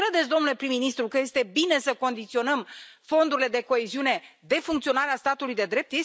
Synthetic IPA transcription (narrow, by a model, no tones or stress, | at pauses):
ɾe̞d̪etsʲd̪onule̞pɾimːinist̪ɾukəje̞st̪e̞bine̞səko̞nd̪it̪sio̞nəmfo̞nd̪uɾile̞d̪e̞ko̞eziune̞d̪e̞fuŋkt̪sio̞naɾeast̪at̪ulujd̪e̞d̪ɾe̞p̚t̪je